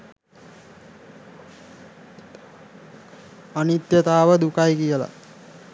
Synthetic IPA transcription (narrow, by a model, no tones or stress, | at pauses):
anit̪jət̪aːʋəd̪ukajkijəla̰